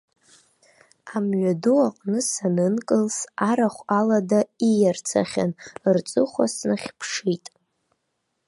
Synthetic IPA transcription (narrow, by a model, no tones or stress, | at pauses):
amɥaduaqʼnɨsanɨnkʼɨlsaɾaχʷaladaijart͡sʰa̰χʲa̰nrt͡sʼɨχʷa̰snɨχʲpʰʂitʼ